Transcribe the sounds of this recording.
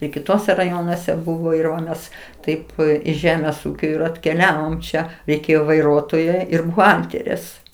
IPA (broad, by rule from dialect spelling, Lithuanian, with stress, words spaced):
ɪ kʲɪˈtuɔsʲɛ rɐˈjoːnuɔsʲɛ ˈbʊʋoː ɪr ˈʋɐ ˈmʲɛs ˈtɐɪp ɪʃ ˈʒʲæːmʲeːs ˈuːkʲoː ɪr ɐtʲkʲɛˈlʲæːʋoːm ˈt͡ʃʲɛ rʲɛɪˈkʲeːjoː ʋɐɪˈruɔtoːjɛ ˈɪr bʊˈɣɐlʲtʲɛrʲeːs